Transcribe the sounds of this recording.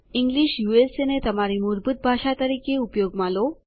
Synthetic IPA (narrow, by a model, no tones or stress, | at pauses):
iŋɡliɕjuesenet̪əmaɾimuɾbut̪̚bʱaʂat̪əɾikeupjoɡmalo